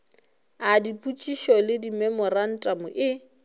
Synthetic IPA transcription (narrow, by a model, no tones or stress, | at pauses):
adipʼut͡ʃʼiʃɔlɪdimɛmɔran̩tʼamʊʔɪ